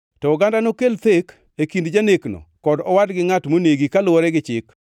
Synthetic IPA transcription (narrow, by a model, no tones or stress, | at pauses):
tɔːɡandanokelt̪ek | ekindd͡ʒaneknɔ̰kɔdɔwadɡɪŋatmoneɡikalʊwɔɾɛɡɪt͡ʃɪk